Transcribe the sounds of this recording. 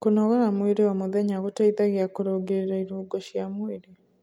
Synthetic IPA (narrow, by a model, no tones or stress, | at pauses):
konɔɣaɾamweɾewamoðɛɲaɣotaiðaɣeakoɾoɡeɾeɾaiɾuːɡɔʃjamweɾe